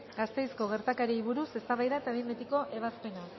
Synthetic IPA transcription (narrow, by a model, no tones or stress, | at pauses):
ɡast̪e̞jsko̞ɣ̞e̞ɾt̪akaɾiːβuɾuse̞st̪aβajðaet̪aβimet̪iko̞ʔe̞β̞aspe̞na